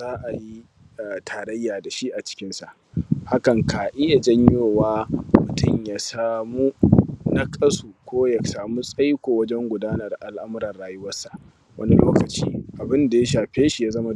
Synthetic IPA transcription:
zaː˦ʔa˨ji˦˨ | tʰaː˨ɾɐ˦jːaː˨da˨ʃi˦ʔa˨t͡ʃɪ̥˦kʲɪ˦nsa˨ʔ | ha˦kɐ˨ŋkaː˨ʔɪ˦ja˨d͡ʒɐ˦ɲjoː˦˨waː˦mʊ˨tʊ˦˨ɲjaː˨saː˨mu˦na˦kʼɐ˦suː˨kʷoː˦jɐ˨saː˨mu˦sʼɐ˦jkʷoː˨wɐ˦d͡ʒɛ˦ŋɡʷʊ˨daː˦nɐ˨rʔa̰˨lʔa˦mʊ˦ɾɐ˨rɽaː˦jʊ˦wɐ˦rsa˨ʔ | wʔɐ̰˦ni˦loː˦kɐ˨t͡ʃḭː˦ʔa˨bɪ˦nda˨ja˦ʃaː˨ɸeː˦ʃi˨jaː˦zɐ˦ma˦

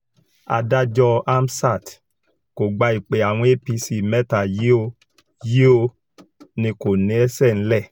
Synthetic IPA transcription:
a̰˧da˦d͡ʒɔ˧a˦m˦sa˦˨t | ko˨ɡ͡ba˧i˨k͡pe˨a˨w̃ɔ̃˧˦e˦pi˧si˧˨mɛ˦ta˨je˦o˧ | je˦o˧ | nĩ˧ko˨nĩ˨˦ɛ˦sɛ˦˨ñ̩˦lɛ˦˨

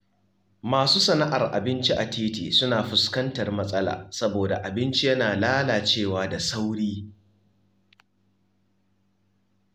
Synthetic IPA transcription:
maː˨suː˦sɐ˨na˦ʔa˨rʔa̰˨bɪ˦nt͡ʃi˦ʔa˨tʰeː˦tḭː˨sʊ˦naː˨ɸʊ˨skɐ˦ntɐ˨rmɐ˦sʼɐ˦la̰ː˨sɐ˦boː˨da̰˨ʔa˨bɪ˦nt͡ʃi˦jɐ˦naː˨laː˦laː˨t͡ʃeː˦˨waː˨da˨sa˦wɽiː˦

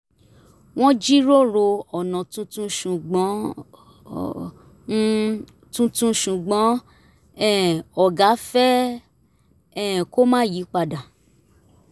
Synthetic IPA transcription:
w̃ɔ̃˦d͡ʒi˦ɾo˦˨ɾo˧ɔ˨nã˨tũ˧˦tũ˦ʃũ˨ɡ͡bɔ̃˨˦ | tũ˧˦tũ˧ʃũ˨ɡ͡bɔ̃˨˦ | ɛ˦˨ɔ˨ɡa˨˦fɛ˦ | ɛ˦˨ko˦mãː˦˨ji˨˦k͡pa˧˨da˨

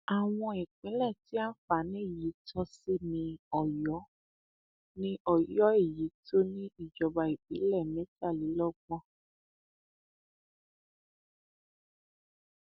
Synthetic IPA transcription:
a˨w̃ɔ̃˧e˨k͡pĩ˨˦lɛ˦˨ti˦a˦fa˨˦nĩ˦˨ji˨˦tʰɔ˧si˦mĩ˧ɔ˨jɔ˨˦ | nĩ˦ʔɔ˦jɔ˨˦e˦˨ji˨˦tʰo˦nĩ˦i˦˨d͡ʒɔ˨ba˧i˨bḭ˨˦lɛ˦˨mẽ˨˦ta˦˨li˨˦lɔ˦ɡ͡bɔ̃˦

